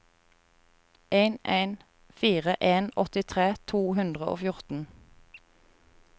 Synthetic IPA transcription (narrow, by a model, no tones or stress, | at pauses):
ʔeɪneɪn | fiːʁəʔeːnɔt̪ɪt̪ʰʁeːt̪ʰuːhʉnd̪ʁəʔo̰ːfjʊʁt̪n̩